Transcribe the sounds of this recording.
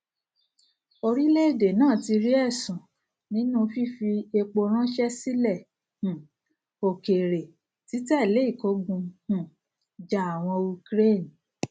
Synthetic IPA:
o˧ɾi˦le˦e˦˨de˨nãː˦˨ti˧ɾi˦ɛ˦˨sũ˨ | nĩ˦nũ˦˧fi˦fi˧e˧k͡po˧ɾ̃ã˦ʃɛ˦si˦lɛ˦˨ | hũ˨ | o˨ke˨ɾe˨ | ti˨˦tɛ˦˨le˨˦i˦˨ko˧˦ɡũ˧hũ˨ | d͡ʒa˨a˨w̃ɔ̃˧u˧kɾe˦˨n˨

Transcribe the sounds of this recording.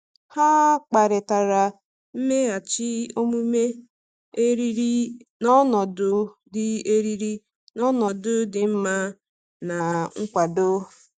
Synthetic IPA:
ha˦k͡pa˨ɾɪ˨ta˨ɾa˨ | m̩˦me˦a˨t͡ʃɪ˦o˦mu˦me˦ | e˦ɾi˦ɾi˦nɔ˦nɔ˨dʊ˦dɪ˦e˦ɾi˦ɾi˦ | nɔ˦nɔ˨dʊ˦dɪ˨m̩˦ma˦ | na˨ŋ̩˦kʷa˨do˦

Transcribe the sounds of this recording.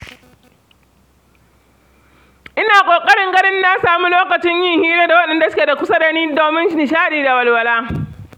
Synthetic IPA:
ʔɪ˦naː˨kʷʼoː˨kʼɐ˦ɽɪ˦ŋɡɐ˦ɽɪ˦nːa˦saː˨mu˦loː˦kɐ˨t͡ʃɪ˦ɲjɪ˦ŋhiː˦ɾeː˦da˨wɐ˦ɗɛ˨nda˨sʊ˦kʲe˨da˨kʷʊ˦sɐ˦dɐ˨niː˦doː˨mɪ˦nʃnɪ˨ʃaː˦ɗiː˨da˨wɐ˨lwɐ˨laː˦

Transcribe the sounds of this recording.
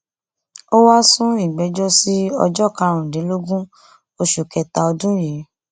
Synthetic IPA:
o˦wa˦sũ˦i˦˨ɡ͡bɛ˨˦d͡ʒɔ˦si˦ɔ̰˧d͡ʒɔ˦˨ka˨˧˦ɾ̃ũ˨de˨˦lo˦ɡũ˦ | o˧ʃu˨kɛ˨ta˧ɔ˧dũ˦ji˨˦

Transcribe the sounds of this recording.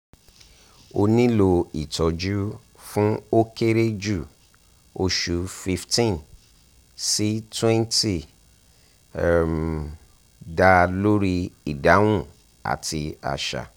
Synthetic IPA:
o˧nĩ˦lo˧i˨tɔ˨d͡ʒu˦ | fũ˦o˦ke˦ɾe˦d͡ʒu˦˨ | o˧ʃu˨˦fi˧ftĩ˦˨n | si˦twɛ̃˦nti˦˨ | m | da˧lo˦ɾi˦i˨da˨˦w̃ũ˦˨ | a̰˨ti˧a̰˨ʃa̰˨

